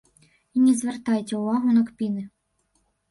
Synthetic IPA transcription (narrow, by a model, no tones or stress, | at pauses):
inʲizʋert̪ɑjtʲɛʊʋɑɦʊnɐkpʲinɪ